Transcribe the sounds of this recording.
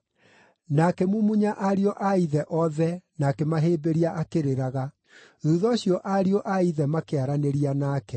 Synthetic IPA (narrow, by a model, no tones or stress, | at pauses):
nakɛmumuɲaʔaɾiɔʔaiðɛʔɔðɛnakɛmaɦeːbeɾiaʔakeɾeɾaɣa | ðuðɔɕjɔʔaɾiɔʔaiðɛmakeaɾaneɾianaːkɛ